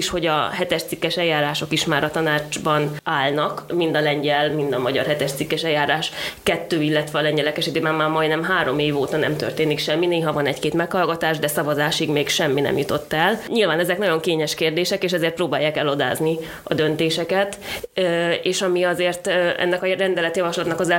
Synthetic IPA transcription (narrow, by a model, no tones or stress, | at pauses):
iʃho̞ɟɒ̰ɦɛt̪ɛʃt̪sikːɛʃɛjːaːɾaːʃo̞kiʃmaːɾɒt̪ɒnaːd͡ʒbɒnaːlnɒkmind̪ɒlɛɲɟɛlmind̪ɒmɒɟɒ̰rɦɛt̪ɛʃt̪sikːɛʃɛjːaːɾaːʃkɛt̪ːøːilːɛt̪ʋɛːlɛɲɟɛlɛkɛʃid̪eːmɛmmaːmɒj̪nɛmɦaːɾo̞meːvoːt̪ɒnɛ̰mt̪ø̰rt̪eːnikʃɛmːineːɦɒvɒnɛckeːt̪mɛkhɒlɡɒt̪aːʒd̪ɛsɒvɒzaːʃiɡmeːkʃɛmːinɛ̰mjut̪o̞t̪ːɛlɲilvaːnɛzɛknɒɟo̞ŋkeːɲɛʃkeːrd̪eːʃɛkeːʃɛzeːrt̪prɾoːbaːjaːkɛlo̞d̪a̰ːzni | ɒd̪ø̞nt̪eːʃɛkɛt̪ː | eːʃɒmiɒzeːrt̪ɛ̰nːɛkɒrɛnd̪ɛlɛt̪jɒvɒʃlɒt̪nɒkɒzɛ